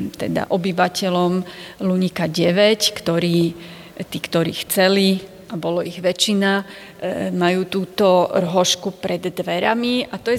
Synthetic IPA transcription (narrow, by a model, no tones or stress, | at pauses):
t̪ɛ̰d̪a̰ʔɔbiʋacɛlɔmluɲikaɟɛʋɛckt̪ɔɾiː | t̪iːkt̪ɔɾḭːxt͡sɛli | abɔlɔiɣʋɛt͡ʃina | majuːt̪uːt̪ɔrɦɔʃkupɾɛd̪ːʋɛɾamiat̪ɔjɛ